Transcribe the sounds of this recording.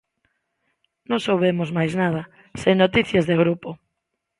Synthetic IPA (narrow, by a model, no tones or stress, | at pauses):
nõŋsowβemʊzmajznað̞ɐ | seŋnot̪iθjazðeɣɾupo